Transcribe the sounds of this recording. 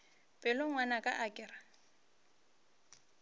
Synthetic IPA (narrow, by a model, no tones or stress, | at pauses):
pʼɛlʊŋwanakʼaʔakʼɪrḁ